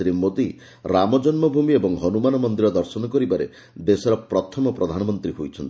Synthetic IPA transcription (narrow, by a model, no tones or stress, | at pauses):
ɾimːod̪i | ɾamɔd͡ʒɔnmɔbʱumiebɔŋɦɔnumanɔmɔnd̪iɾɔd̪ɔɾsɔnɔkɔɾibaɾḛ | d̪esɔɾɔpɾɔt̪ʰɔmɔpɾɔd̪ʱanɔmɔnt̪ɾiɦojt͡ʃʰɔnt̪i̥